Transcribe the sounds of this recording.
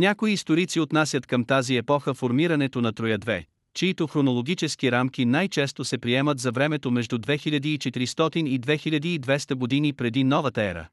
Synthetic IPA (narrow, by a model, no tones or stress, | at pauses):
nʲakoiːst̪oɾit̪siot̪nasʲət̪kəmt̪aziɛpɔxəfoɾmiɾɐnɛt̪onɐt̪ɾojəd̪vɛ̰ | t͡ʃiit̪oxɾonolˠoɡʲit͡ʃɛskiɾamkʲinajt͡ʃɛst̪osɛpɾiɛmət̪zɐvɾɛmɛt̪omɛʒd̪ud̪vɛxiʎʲɐd̪iːt͡ʃɛt̪iɾist̪ɔt̪inid̪vɛxiʎʲɐd̪iːd̪vɛst̪əɡod̪inipɾɛd̪inɔvət̪əɛɾə̰